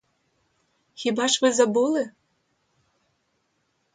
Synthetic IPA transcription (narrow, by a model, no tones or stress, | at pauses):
xʲibɑʃvɨzabulˠɨ